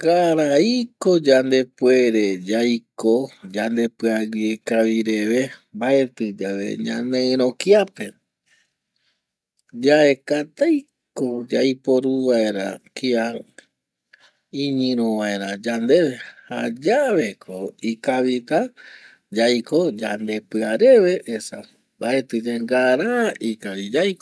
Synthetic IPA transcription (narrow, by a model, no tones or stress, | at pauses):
kaɾaikod͡ʒand̪e̞pwe̞ɾe̞d͡ʒajkod͡ʒand̪e̞pɨaɡiekaʋiɾe̞ʋe̞mbae̞t̪ɨd͡ʒaʋe̞̰ɲã̰nẽɨ̃ɾ̃õkiape̞ | d͡ʒae̞kat̪aj | kod͡ʒajpoɾuʋaeɾa̰kia | ĩɲĩɾõʋaeɾãd͡ʒand̪e̞βe̞had͡ʒaβe̞kʰoikaβit̪a | d͡ʒajko̞d͡ʒand̪e̞pɨaɾe̞ʋe̞ʔːsa̰ | baet̪ɨd͡ʒeŋɡaɾaikaβid͡ʒajko